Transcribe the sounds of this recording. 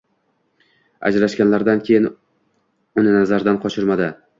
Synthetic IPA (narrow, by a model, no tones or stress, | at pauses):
a̰d͡ʒɾaʃkʲanlaɾd̪ankʲʰejɪn | ʊnɪnazaɾd̪anqʰɒʃɪɾmad̪ɪ